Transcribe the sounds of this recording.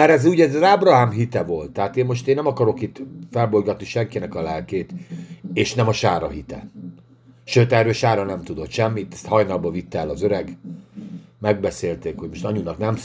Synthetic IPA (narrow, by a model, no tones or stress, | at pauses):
ɛɾɛzuːɟɛzɒzaːbrɒɦaːmɦit̪ɛvo̞lt̪ːɛɦaːt̪eːmmo̞ʃt̪eːnːɛmɒkɒɾo̞kit̪fɛlbo̞jɡɒt̪niʃɛŋkinɛkɒlɛlkeːt̪eːʃnɛmɒʃaːɾɒɦit̪ɛ̰n | ʃøːt̪ɛrøːʃaːɾɒnɛmt̪ud̪ot̪ʃɛmːit̪ɛst̪hɒjnɒlbɒvit̪ːɛːlɒzøɾɛɡ | mɛɡ̚bɛseːlt̪eːkho̞ɟmo̞ʃt̪ɒɲunɒknɛm